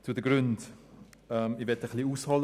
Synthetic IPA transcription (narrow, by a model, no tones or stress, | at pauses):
t͡sudəɡɾʏnt | ɛmivɛtəχliːuːshɑl